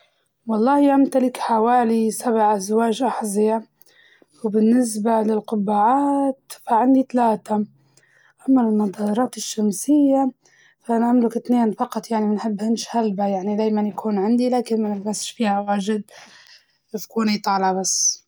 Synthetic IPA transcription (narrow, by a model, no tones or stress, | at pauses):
wɑlˤːɑːhiʔamt̪alɪkħawaːlisaβʕʔazwaːʒʔaħzia | wbɪnːɪs̬balɪlqʊbːaːʕaːt̪faʕɪnd̪it̪alaːt̪a | ʔamːalmɑd̪ˤɑːɾˤɑːt̪ɪʃːamsɪjːa | faʔanaʔamlɪkɪt̪neːnfɑqɑt̪ˤjaʕnimɪnħɪbːhɪnʃhalbajaʕnid̪aːjmanjakʰuːnʕɪnd̪ilaːkɪnmanɪlbasʃfiːhawaːʒɪd̪̚ | ɪfkuːnijt̪ˤɑːlabasː